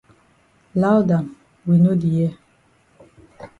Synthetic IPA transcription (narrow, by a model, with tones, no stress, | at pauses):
la˦wda˨m | wi˨no˦di˨ji˦˨